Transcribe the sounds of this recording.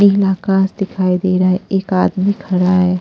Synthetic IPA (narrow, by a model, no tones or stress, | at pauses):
ɪɦlaːkãːsd̪ɪkʰaːid̪eːɾaɦɛʔeːkaːd̪mikʰɐɽaɦɛː